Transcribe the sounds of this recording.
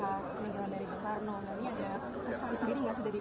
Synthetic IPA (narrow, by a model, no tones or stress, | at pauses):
a | məɲd͡ʒalandaɾikəkarnɔnd̪aniada | kəsansəndiɾiŋɡaʔsudahdi